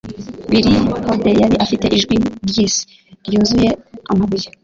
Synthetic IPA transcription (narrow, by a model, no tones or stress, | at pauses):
biɾihodejaɾiʔafite̞ʔiʒɡwiɾjiːsi̥ | ɾjuːnzuje̞a̰maβuje